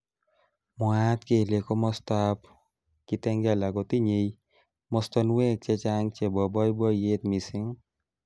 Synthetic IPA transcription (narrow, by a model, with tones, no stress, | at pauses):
mɔ˨a˦t̪ke˨le˨kɔ˦mɔ˧st̪ap | ki˦t̪ɛ˦ŋɡa˨la˨ɡɔt̪i˦ɲej | mɔst̪ɔnwe˦k̚t͡ʃɛ˧t͡ʃaŋt͡ʃe˨bɔ˨bɔ˦jbɔ˦je˦t̪mi˨sɪ˦ŋ